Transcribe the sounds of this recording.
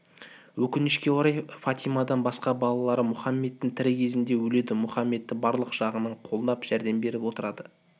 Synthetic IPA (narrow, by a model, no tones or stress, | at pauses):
wɵkʲɪnɪʃkʲe̞oɾɑjfat̪ijmad̪ɑnbɑsqɑbɑlˠɑlˠɑɾəmʊχɑmːe̞t̪ːɪŋt̪ʰɪɾɪkʲʰe̞zɪnd̪ewɵle̞d̪ɪmʊχɑmːe̞t̪ːɪbɑɾlˠəqʒ̥ɑʁənɑɴqʰo̞lˠd̪ɑpʒ̥æɾd̪e̞mbe̞ɾɪpwo̞t̪əɾɑd̪ə